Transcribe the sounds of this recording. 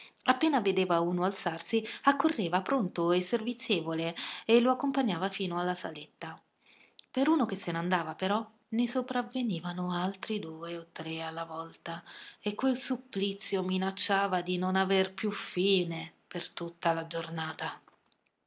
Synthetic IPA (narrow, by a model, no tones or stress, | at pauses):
apːeːnaved̪eːvauːnoalt̪sarsiakːorːeːvapɾont̪oesːervit̪sːjeːvoleeloakːompaɲːaːvafiːnoalːasa̰let̪ːa | peɾuːnok̟esːenand̪aːvapeɾɔ | nesopɾaveniːvanoalt̪ɾid̪uːeot̪ːɾealːavɔlt̪aekːwelsupːlit̪sːjominat͡ʃːaːvad̪inonaverpjufiːnepert̪ut̪ːalad͡ʒornaːt̪a